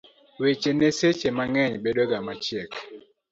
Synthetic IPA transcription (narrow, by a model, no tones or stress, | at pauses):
wet͡ʃeneset͡ʃemaŋɛɲbedoɡamat͡ʃjɛk